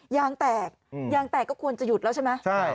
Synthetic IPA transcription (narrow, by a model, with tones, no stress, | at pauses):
jaː˦˧˥ŋt̪ɛː˨˩k̚jaː˦˥ŋt̪ɛː˨˩kːɔː˥˩kʰu˧ənt͡ɕa˨˩ju˨˩t̪lɛː˦˥wt͡ɕʰa˥˩jma˦˥t͡ɕʰa˥˩j